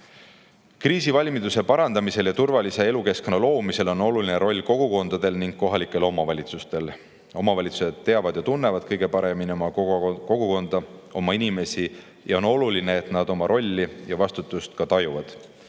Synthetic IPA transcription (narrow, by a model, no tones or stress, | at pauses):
kriːsivɑlʲmid̪̥use̞pɑɾɑnd̪̥ɑmise̞ljɑt̪urvɑlise̞e̞luke̞sknɑlo̞ːmise̞lo̞no̞luline̞ɾo̞lʲːko̞ɡ̥uko̞nd̪̥ɑd̪̥e̞lniŋɡ̥̚ko̞ɦɑlikːˑe̞lo̞mɑvɑlʲit̪sust̪e̞l | o̞mɑvɑlʲit̪suse̞d̪̥t̪ːe̞ɑvɑd̪̥jɑt̪unːe̞vɑd̪̥̚kɤjɡ̥e̞pɑɾe̞miniomɑko̞ɡ̥uko̞nd̪̥ɑo̞mɑinime̞si | jʔɑo̞no̞luline̞ːt̪nɑd̪̥o̞mɑɾʔo̞lʲːijɑvɑst̪ut̪ːˑust̪kɑt̪ɑjuvɑd̪̥